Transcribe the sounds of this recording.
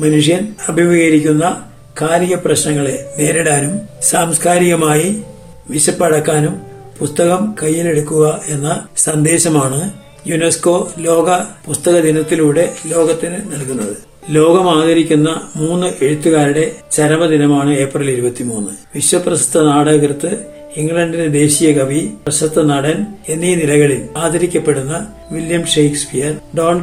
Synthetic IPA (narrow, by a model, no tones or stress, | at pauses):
mɐnuʂjɐnɐbʱiʋiːɣɐɾikʲːunːɐ | kʰaːɾiɣɐprɐɕnɐŋːɐɭene̞ːɾiɽaːnumsaːmskaːɾiɣɐmaːji | ʋiɕɐpːɐɽɐkːaːnum | pust̪ɐɣɐmkɐjːile̞ɽukːuɣɐe̞nːɐsɐnd̪e̞ːɕɐmaːɳɨ | junesko̞ːlo̞ːɡɐpust̪ɐɣɐd̪inɐt̪ːiluːɽe̞lo̞ːɣɐt̪ːinɨnɐlkunːɐðɨ | lo̞ːɣɐmaːd̪ʱɐɾikʲːunːɐmuːnːɨʔeɻut̪ːuɣaːɾiɽe̞t͡ɕɐɾɐmɐd̪inɐmaːɳɨe̞ːprɐliɾubɐt̪ːimuːnːɨʋiɕwɐprɐɕɐ̥t̪ʰːɐnaːɽɐɣrɨt̪ːɨ | iŋɡɭɐɳɖined̪e̞ːɕijɐkɐʋirɐɕɐt̪ʰːɐnaːɽɐne̞nːinilɐɣɐɭimaːd̪ɐɾikʲːɐpːe̞ɽunːɐ | ʋiljɐmʂejkspijɐrɖoːɳ